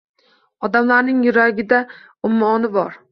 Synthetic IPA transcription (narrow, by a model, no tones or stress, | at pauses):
ɒd̪amlaɾnɪŋjʊɾaɡʲɪd̪a | ʊmːɒnɪbɒɾ